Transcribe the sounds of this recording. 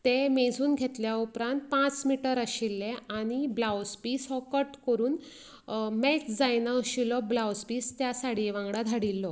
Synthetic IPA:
t̪emed͡zʱuːnɡʱet̪ljaupɾãnt̪̚pãt͡smiʈəɾəɕilːeaɽ̃iblawspiːsɦɔkəʈkəɾuːn | mekd͡zajnaːɕilɔblawspiːst̪jasaɽ̤iʋãŋɡɽad̪ʱaɽilːɔ

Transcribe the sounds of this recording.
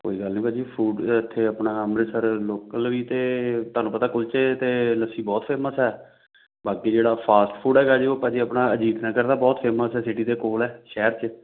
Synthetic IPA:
ko̰ːiːɡəlnĩːpaːd͡ʒiːpʰuːɖɪt̪ʰːeːəpnaːəmɾəsəɾloːkəlʋiːt̪eːt̪ʊaːnũːpət̪aːkʊlt͡ʃet̪eːləsiːbɔːt̪pʰeːməsɛː | baːkiːd͡ʒeːɽaːpʰaːsʈpʰuːɖɛːkaːd͡ʒiːoːpaːd͡ʒiːəpnaːəd͡ʒiːd̪nəːkəɾd̪aːbɔːt̪pʰeːməsɛːsɪʈiːd̪eːkoːlɛːʃɛːəɾt͡ʃə

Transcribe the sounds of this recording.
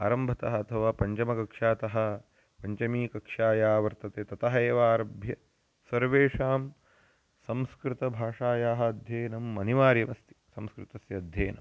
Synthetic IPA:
aːɾɐmbʱɐt̪ɐɦɐːt̪ʰɐʋaːpɐɲt͡ʃɐmɐkɐkʂaːt̪ɐɦɐ̆ | pɐɲt͡ʃɐmiːkɐkʂaːjaːʋɐɾt̪ɐt̪eːt̪ɐt̪ɐɦɐeːʋaːɾɐbʱjɐ | sɐɾʋeːʂaːm | sɐ̃mskɾɪt̪ɐbʱaːʂaːjaːɦɐɐd̪ʱjeːnɐmːɐniʋaːɾjɐmɐst̪i̥sɐmskɾɪt̪ɐsjɐɐd̪ʱjɐːnɐ̰m

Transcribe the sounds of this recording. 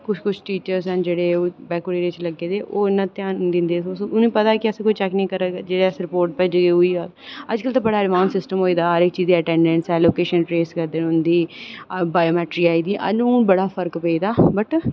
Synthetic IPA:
kʊt͡ʃʰkʊt͡ʃʰʈiːt͡ʃəɾsɛ̃nd͡ʒeːɽeːbɛːkoɽiːɾeɪt͡ʃləɡːeːd̪eːʔoːɪnːãːt̪jaːnnd̪ɪ̃nd̪eːsoʊnũːpət̪aːkɪəskoit͡ʃɛːknĩːkəɾəd͡ʒeːɽesɾɪpoːɾʈ̚pɛːd͡ʒɡeːʊiːa | əd͡ʒkəlt̪abəɽaːɾɪmãːnsɪsʈəmɦoːiːd̪aːɦəɾɪkːt͡ʃiːziːəʈɛ̃ːɳɖə̃nsɛːloːkeːʃənʈɾeːskəɾd̪eːnɦʊ̃nd̪iːbaːjoːmɛːʈɾiːaːiːd̪iːʔə̰nũːbəɽaːpʰəɾkpəiːd̪aːbəʈ

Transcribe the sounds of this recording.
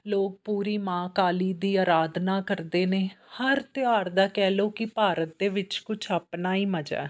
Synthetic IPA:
loːk̚puːɾiːmãːkaːliːd̪iːaːɾaːd̪naːkəɾd̪eːneːhəɾt̪ɪjaːɾd̪aːkɛːloːkɪpaːɾət̪̚d̪eːʋɪt͡ʃkʊt͡ʃʰaːpnaːiːməd͡ʒɛ̰ː

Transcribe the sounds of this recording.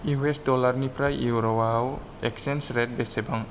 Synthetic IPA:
iwesdɔlaɾnipɾajiwɾɔwaaw | eksensɾed̚besebaŋ

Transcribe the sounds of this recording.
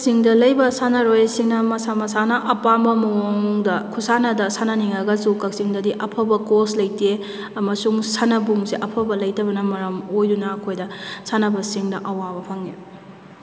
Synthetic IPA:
kksiŋdɐlɐjbɐsanɐɾojsiŋnɐmɐsamɐsanɐʔɐpambɐmɐoŋdɐkʰusanɐdɐsanɐniŋɐɡɐsukɐk̚siŋdɐdiʔɐpʰɐbɐkoslɐjte | ɐmɐsuŋsanɐbuŋsiʔɐpʰɐbɐlɐjtɐbɐnɐmɐɾɐmojdunɐːkʰojdɐsanɐbɐsiŋdɐʔɐwabɐpʰɐŋe

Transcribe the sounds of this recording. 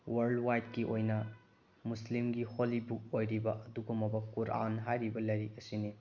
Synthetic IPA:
wɐɾldwajt̚kiʔojnɐ | muslimɡiholibuk̚ojɾibɐʔɐduɡumɐbɐkuɾa̰nɦajɾibɐlɐjɾik̚ɐsini

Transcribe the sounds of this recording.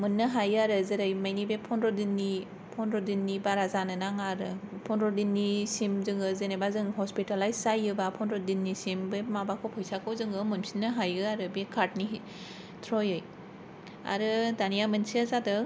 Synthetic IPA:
mɯnːɯɦajɯaɾɯzeɾajmajnibepʰɔnɾɔdinːi | pʰɔnɾɔdinːibaɾazanɯnaŋaɾɯpʰɔnɾɔdinːisimzɯŋɯzenebazɯŋhɔspitalajsajɯbapʰɔnɾɔdinːisimbemabakʰɔwpʰɔjsakʰɯwzɯŋɯmɯnsi̥nɯɦajɯaɾɯbekʰaɾt̚ni | tʰɾɔjɯj | a̰ɾɯdanijamɯnsiazadɯ

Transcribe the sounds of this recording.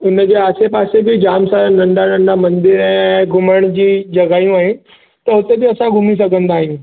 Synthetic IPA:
ʊnd͡ʑeaːsepaːsebʱid͡ʑaːmsanɐ̃ɳɖanɐ̃ɳɖamɐ̃nd̪ɪɾɛ̃ɡʱʊməɽ̃d͡ʑiːd͡ʑɐɡaːjũaːɦɪnɪ̆ | t̪ɐʊt̪ebiɐsãɡʱʊmis̬ɐɡʱə̃nd̪aːɦɪn

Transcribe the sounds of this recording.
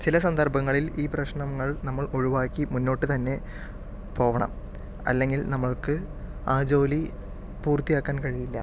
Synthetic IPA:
t͡ɕilɐsɐnd̪ɐrbɐŋːɐɭiliːprɐɕɳɐmːɐɭnɐmːɐɭo̞ɻiʋaːkːimunːo̞ːʈːɨt̪ɐnːe̞ | po̞ːʋɐɳɐ̰m | ɐ̰lːe̞ŋɡilnɐmːɐɭkɨ | aːd͡ʑo̞ːli | puːrt̪ːijaːkːaːnkɐɻijilːɐ̰

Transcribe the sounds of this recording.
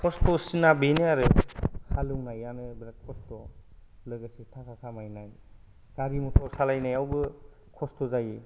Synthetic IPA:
kʰɔstɔsinabeneaɾɯhaluŋnajanɯbɾakʰɔstɔlɯɡasitʰakʰatʰamajnaj | ɡ̥aɾimɔtʰɔɾsalajnajawbɯ | kʰɔstɔzaji

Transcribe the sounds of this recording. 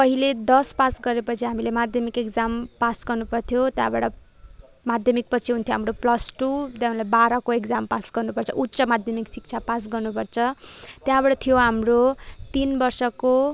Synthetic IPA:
pʌɦiled̪ʌspasɡʌɾepʌt͡sʰiɦamilemad̪ʱjʌmikekd͡zampasɡʌrnupʌrt̪ʰjot̪jãbaʈʌ | mad̪ʱjʌmik̚pʌt͡sʰiɦunt̪ʰjoɦamɾoplʌsʈud̪jãlabaɾʌkoekd͡zampasɡʌrnupʌrt͡sʰʌ̰ʔutːt͡sʌmad̪ʱjʌmiksik̚t͡sʰapas̬ɡʌrnupʌrt͡sʰʌt̪jãbaɽʌt̪ʰijoɦamrot̪inbʌrsʌko

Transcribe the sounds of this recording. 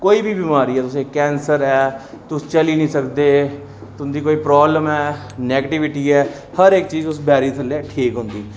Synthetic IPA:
koːiːbʱiːbimaːɾiːɛːt̪ʊsẽːkɛ̃ːnsəɾɛː | t̪ʊst͡ʃəliːnĩːsəkd̪eː | t̪ʊnd̪iːkoːiːpɾɔːbləmɛː | nɛːɡəʈɪʋɪʈiːɛː | həɾɪk̚t͡ʃiːzʊsbɛːɾiːt̪ʰəlɛːʈʰiːkɦʊ̃nd̪iː

